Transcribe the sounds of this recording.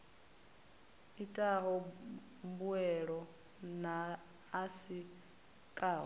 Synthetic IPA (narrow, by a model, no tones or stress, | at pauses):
itʼaɦɔ | mbuɛɺɔ | naː | si | kʼaːɦɔ